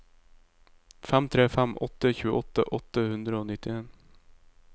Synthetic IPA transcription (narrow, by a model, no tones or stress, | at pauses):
fɛmt̪ʰɾeːfɛmʔɔ̰t̪ːəçʉːə̰ʔɔt̪ːə̰ʔɔt̪ːəhʉnd̪ɾəoːnɪt̪ːɪeːn